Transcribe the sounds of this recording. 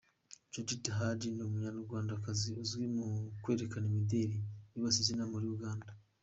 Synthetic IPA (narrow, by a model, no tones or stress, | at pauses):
d͡ʒod͡ʒitaɦad͡ʒinimuɲanuɾɡwaːndakaziuzɡimukwe̞ːɾekanemideɾiniβasizinamuɾiuɡaːnda